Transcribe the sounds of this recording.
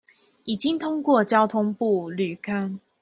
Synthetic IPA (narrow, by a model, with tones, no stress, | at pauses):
i˨˩t͡ɕi˦ŋt̪ʰʊ˥ŋkwɔ˥˨t͡ɕjɑ˦ʊt̪ʰʊ˦ŋpu˥˨ly˨˩kʰa˦n